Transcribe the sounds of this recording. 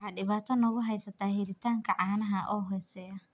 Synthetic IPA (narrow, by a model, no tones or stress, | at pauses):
ħɑːɖɪβaːt̪ʰɔnɔɣʊɦɛjsɐt̪ʰaːɦɪɾɪt̪ʰaːŋkʰɐʕɑːnɐɦɐʔɔːɦɛsɛːɐ